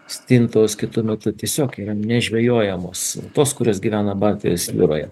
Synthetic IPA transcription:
sʲt̪ʲint̪oːskʲɪt̪ʊmʲɛt̪ʊt̪ʲiɛsʲoːkiːɾɐnʲɛʒʲʋʲɛjoːjɛmoːst̪oːskʊɾʲoːsɡʲiʋʲæːnɐbɑːlʲt̪ʲɪjosʋʲɪ̰ɾo̰ːjɛ̰

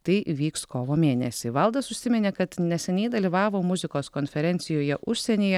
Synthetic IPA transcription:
t̪ɐɪʋʲiːkskoːʋoːmʲeːnʲɛsʲɪʋɐlˠd̪ɐsʊʃʲsʲɪmʲɛnʲeːkɐt̪nʲɛsʲɛnʲɛɪd̪ɐlʲiːʋɑːʋoːmʊzʲɪkoːskoːnʲfʲɛɾʲɛnʲt̪sʲɪjoːjɛʔʊʃʲsʲɛnʲeːjɛ

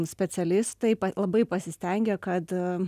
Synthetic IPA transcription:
sʲpʲɛsʲɛlʲɪst̪ɐɪpɐlˠɐbɐɪpɐsʲɪsʲt̪ʲɛŋʲɡʲɛkɐt̪

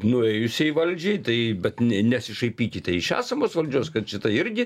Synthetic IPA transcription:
nʊɛjʊsʲɛiʋɐlʲd͡ʒʲɛɪt̪ɐɪbʲɛtt̪nʲnʲɛsʲɪʃɐɪpʲiːkʲɪt̪ʲɛɪɪʃæ̰ːsɐmoːsʋɐlʲd͡ʒʲoːskɐt̪ʃʲɪt̪ɐɪɾʲɡʲɪ

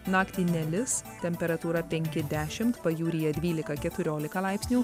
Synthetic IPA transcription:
nɑːkt̪ʲiːnʲɛlʲɪsst̪ʲɛmʲpʲɛɾɐt̪uːɾɐpʲɛŋʲkʲɪd̪ʲæːʃʲɪmt̪pɐjuːɾʲijɛd̪ʲʋʲiːlʲɪkɐkʲɛt̪ʊɾʲoːlʲɪkɐlˠɐˑɪpʲsʲnʲuː

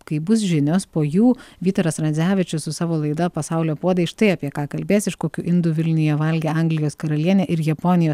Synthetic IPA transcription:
kɐɪbʊs̬ʒʲɪnʲoːspoːjuːʋʲiːt̪ɐɾɐsɾɐnʲzʲæːʋʲɪt͡ʃʲʊssʊsɑːʋoːlˠɐɪd̪ɐpɐsɑʊlʲoːpuɔd̪ɐɪʃt̪ɐɪɐpʲiɛkɑːkɐlʲbʲeːsɪʃkoːkʲʊʔɪnd̪ʊʋʲɪlʲnʲʊjɛʋɐlʲɡʲeːɐŋɡlʲɪjoːskɐɾɐlʲiɛnʲeːʔɪɾjɛponʲɪjoːs

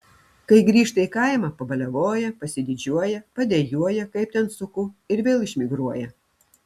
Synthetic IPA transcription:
kɐɪɡɾʲiːʃt̪ɐiːkɐɪmɑpɐbɐlʲɛʋoːjɛpɐsʲɪd̪ʲɪd͡ʒʲuɔjɛpɐd̪ʲɛjuɔjɛkɐɪp̚t̪ʲɛnsʊkʊɪɾʋʲeːlˠɪʃʲmʲɪɡɾuɔjɛ

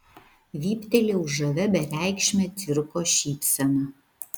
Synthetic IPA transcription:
ʋʲiːpʲt̪ʲɛlʲeːʊʒʒɐʋʲɛbʲɛɾʲæˑɪkʃʲmʲɛt̪ʲɪɾkoːʃʲiːpʲsʲɛnɐ

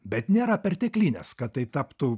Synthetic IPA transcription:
bʲɛt̪nʲeːɾɐpʲɛɾʲt̪ʲɛklʲiːnʲɛ̰skɐt̪̚t̪ːɐɪt̪ɑːpt̪u

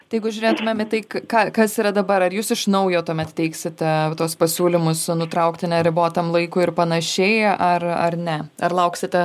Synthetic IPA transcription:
t̪ɐjɛɪɡʊʒʲʊːɾʲeːt̪ʊmʲeːmɪt̪ɐɪkkɑːkɐsiːɾɐd̪ɐbɐɾɐɾjuːsɪʃnɐʊjoːt̪uɔmʲɛt̪tʲɛɪksʲɪt̪ʲɛt̪oɔspɐsʲuːlʲɪmʊsnʊt̪ɾɐʊkt̪ʲɪnʲɛɾʲɪboːt̪ɐmlˠɐɪkʊːɪrpɐnɐʃʲeɪʔɐrɐ̰rnʲɛɐ̰rlˠɐʊksʲɪt̪ʲɛ

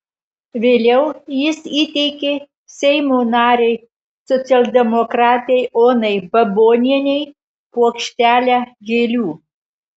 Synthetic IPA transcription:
ʋʲeːlʲɛʊjɪsiːt̪ʲɛɪkʲeː | sʲɛɪmoːnɑːɾʲɛɪ | sɔt̪sʲɛlˠʲd̪ʲɛmɔkɾɑːt̪ʲɛɪoːnɐɪbɐboːnʲiɛnʲɛɪ | puɔkʃʲt̪ʲæːlʲæːɡʲeːlʲuː

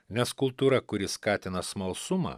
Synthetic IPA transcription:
nʲɛskʊlˠt̪uːɾɐkʊɾʲɪskɑːt̪ʲɪnɐsmɐlˠsʊmɑ̰ː

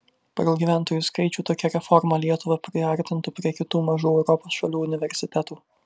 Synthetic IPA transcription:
pɐɡɐlˠɡʲiːʋʲæˑnt̪oːjuːskɐɪt͡ʃʲuːt̪oːkʲɛɾʲɛfɔɾmɐlʲiɛt̪ʊʋɐpʲɾʲɪʋʲɛɾʲt̪ʲɪnt̪ʊpʲɾʲiɛkʲɪt̪uːmɐʒuːɛʊɾɔpoːsʃɐlʲuːʊnʲɪʋʲɛɾʲsʲɪt̪ʲæt̪uː

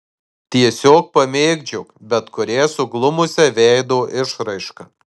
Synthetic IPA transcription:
t̪ʲiɛsʲoːk̚pɐmʲeːɡd͡ʒʲʊkbʲɛt̪kʊɾʲeːsʊɡlˠʊmʊsʲɛʋʲɛɪd̪oːʔɪʃɾɐɪʃkɐ

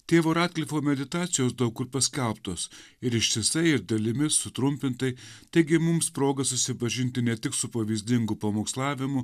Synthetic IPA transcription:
t̪ʲeːʋoːɾɑːt̪̚ʲkʲlʲifoːmʲɛd̪ʲɪt̪ɑːt̪sʲɪjoːsd̪ɐʊkʊɾpɐsʲkʲɛlˠpt̪oːs | ɪɾɪʃt̪ʲɪsɐɪɪɾd̪ɐlʲɪmʲɪsːʊt̪ɾʊmʲpʲɪnt̪ɐɪt̪ɐɪɡʲɪmʊmspɾoːɡɐsʊsʲɪpɐʒʲɪnʲt̪ʲɪnʲɛt̪ʲɪksʊpɐʋʲiːzʲd̪ʲɪŋɡʊpɐmoːkslˠɑːʋʲɪmʊ

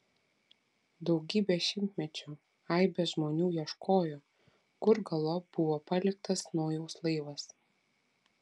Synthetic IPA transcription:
d̪ɒʊɡʲiːbʲeʃʲɪmʲt̪ʲmʲɛt͡ʃʲu | ɐɪbʲɛʒmoːnʲuːjiɛʃkoːjoː | ɡʊɾɡɐlˠoːb̥ʊʋoːpɐlʲɪk̚t̪ɐsnuɔːjɛʊslˠɐɪʋɐs

